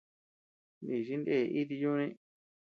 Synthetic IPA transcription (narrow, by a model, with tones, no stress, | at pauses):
nĩ˨ʃi˦nd̪e˦˨ʔi˦t̪̬i˧jũ˦nĩ˦